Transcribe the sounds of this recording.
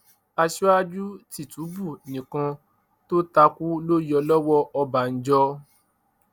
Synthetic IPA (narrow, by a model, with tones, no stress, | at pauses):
a˧ʃɔ˦a˦d͡ʒu˦ti˦˨tu˨˦bu˦˨nĩ˨kã˧ | to˦ta˧ku˦lo˦ji˦ɔ˧lɔ˦wɔ˦ɔ˧ba˨n̩˨˦d͡ʒɔ˧˦